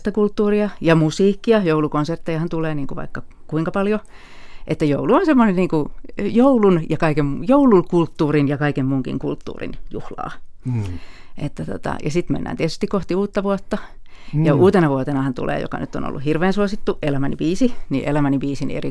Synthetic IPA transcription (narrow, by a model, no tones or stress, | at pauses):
t̪ækult̪ːuːriɑjɑmusiːkːiɑjoulukonsert̪ːejɑhɑnt̪uleːniːŋkuʋɑ̰ikːɑ | kuiŋkɑpɑljo | ʔet̪ːæjouluonsemːonenniːŋkujoulunjɑkɑikemmjoulukult̪ːuːrinjɑkɑikemmuːŋkḭŋkult̪ːṵːrḭnjuhlɑ̰ː | ʔet̪ːæt̪o̰t̪ɑ̰jɑsit̪mḛnːæ̰ːnt̪iet̪y̥st̪ikoht̪iuːt̪ːɑʋuot̪ːɑ | jɑuːt̪enɑʋuot̪enɑhɑnt̪ṵlʔḛːjo̰kɑ̰nyt̪ːo̰no̰lːṵhirʋeːnsuosit̪ːuʔelæmænḭbiːsinḭʔḛlæmænibiːsinḭḛri